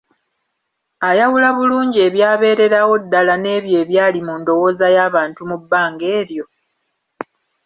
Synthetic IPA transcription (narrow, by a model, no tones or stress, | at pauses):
ajawulaβuluːɲɟie̞βjaːβe̞ːɾe̞ɾawo̞dːalane̞ːβje̞ːβjaːlimundo̞wo̞ːzajaːβaːntumubːaːŋɡe̞ːɾjo̞